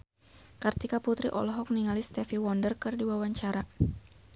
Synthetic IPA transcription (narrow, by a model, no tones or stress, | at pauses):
kərt̪ikaput̪ɾḭʔɔ̰lɔɦɔk̚niŋalist̪ɛfiwɔndərkɨrdiwawaɲt͡ʃaɾa